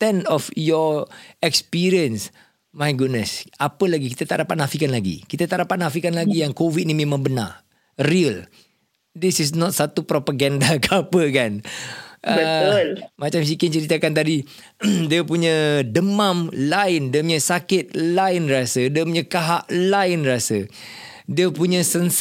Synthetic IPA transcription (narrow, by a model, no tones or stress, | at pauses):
t̪ɛnɔfjɔɛkspiɾiəns | majɡud̚nəsapəlaɡikit̪at̪aʔdapat̪̚nafikanlaɡḭkit̪at̪aʔdapat̪̚nafikanlaɡijaŋkovid̚nimẽmãŋbəna̰r | riəl | d̪isis̬nɔt̪̚sat̪upɾopaɡandakapəkanʔəbəʊlmat͡ʃams̬ikit͡ʃəɾit̪akant̪adi | diəpuɲə̃dəmãmlaɪndiəpuɲə̃sakɪt̪̚lajnrasədiəpuɲə̃kaɦaʔlaɪnrasə | diəpuɲə̃səns